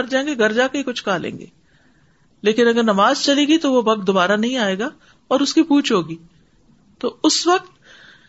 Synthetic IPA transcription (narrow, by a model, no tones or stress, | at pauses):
ɐɾd͡ʒaːẽːŋɡeɡɐɾd͡ʒaːkeikʊt͡ʃʰkalḛ̃ːŋɡḛː | leːkɪnɐɡəɾnɐmaːzt͡ʃɐliːɡit̪oʋobɐɡ̪̚d̪obaːɾanɐɦĩaːeːɡaː | ɔːɾʊskipuːt͡ʃɦoːɡiː | t̪oːʊsʋɐk̚t̪